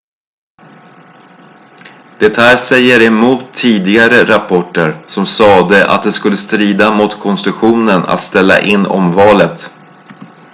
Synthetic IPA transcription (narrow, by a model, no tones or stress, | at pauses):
d̪̥ɛt̪hæːɾsɛjːəɾɛmuːt̪ʰːiːd̪ɪɡaɾəɾapʰɔʈːəɾsɔmsɑːd̪əʔa̰t̪̚d̪ɛskɵlːəst̪ɾiːd̪amʊt̪kʰɔnst̪ɾɵɧuːnəna̰t̪st̪ɛlːa̰ʔɪnːʔɔ̰mvɑːlət̪